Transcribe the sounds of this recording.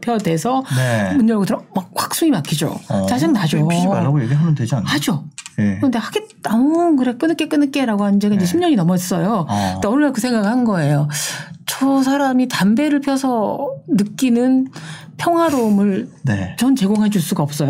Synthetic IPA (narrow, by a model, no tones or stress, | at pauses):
pʰjʌdwe̞sʰʌnemund͡ʑʌɡotɯɾʌmak̚wak̚s͈uŋimakʰid͡ʑo̰t͡ɕad͡ʑaŋnad͡ʑoaaɡojeɡiɦamənded͡ʑanhad͡ʑoekɾʌnde̞haɡeamokɯɾek͈ɯnːɯk͈ek͈ɯnɯk͈eɾaɡoɦanɯnd͡ʑeɡaind͡ʑeɕʰimɲʌɲinʌmʌis͈ʌjondeʌnɯɭakɯsʰeŋɡaɡɯɭhanɯnɡʌe̞jot͡ɕʌs̬ʰaɾamitambe̞ɾɯɭpʰjʌsʰʌnɯk͈inɯn | pʰjʌŋɦwaɾomɯɭnet͡ɕʌnt͡ɕe̞ɡoŋɦed͡ʑuɭs͈uɡaʌp̚s͈ʌjo